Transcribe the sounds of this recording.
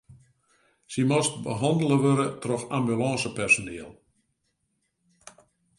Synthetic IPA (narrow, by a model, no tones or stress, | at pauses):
simɔst̚bəɦɔndələʋøɾətrɔxambylɔːsəpɛrsonɪəlˠ